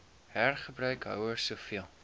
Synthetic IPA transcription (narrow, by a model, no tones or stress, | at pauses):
ɦærχəbɾœɥkɦœ̰wərsuːfiəlˠ